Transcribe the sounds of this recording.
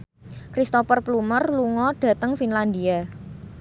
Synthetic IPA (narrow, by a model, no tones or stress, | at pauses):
kɾist̪ɔpərplumərluŋɔɖ̥ä̤t̪əŋfinland̪ia